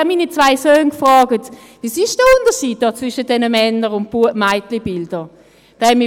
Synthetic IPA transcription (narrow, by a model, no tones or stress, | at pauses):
ɛmiːnit͡svaɪsøːnkfʁɔːɡət | visɪʃd̥əʊndəʃiːt̚dɔːt͡svɪʃət̚d̥ɛnəmɛnəʁʊnt̚b̥uəmaɪtlibɪld̥ə | d̥ɛɛnmɪ